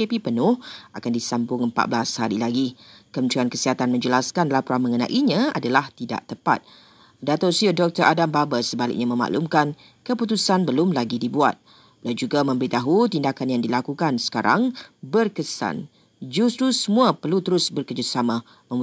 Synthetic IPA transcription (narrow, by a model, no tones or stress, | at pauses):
kepipənʊhakandisambʊŋəmpa̰t̪̚bəlashaɾilaɡikəmənt̪ɾiankəsiɦat̪anmə̃ɲd͡ʒəlaskanlapuɾamə̃ŋənã̰ʔiɲãa̰dalaht̪ida̰ʔt̪əpa̰t̪̚ | dat̪osiədɔk̚t̪əɾʔadambabəsəbalɪ̰k̚ɲamə̃ma̰ʔlumkan | kəput̪usanbəlʊmlaɡidibua̰t̪̚ | blad͡ʒuɡamə̃mbəɾit̪aɦut̪indakanjaŋdilakukansə̥kaɾa̰ŋbərkəsa̰n | d͡ʒust̪ɾusəmũapərlut̪əɾʊsbərkəd͡ʒusamã | mə̃m